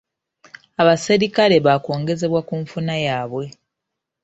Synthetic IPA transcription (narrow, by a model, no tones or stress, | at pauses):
aβaseɾikale̞βako̞ːŋɡe̞ze̞βwakuɱfunajaːβwe̞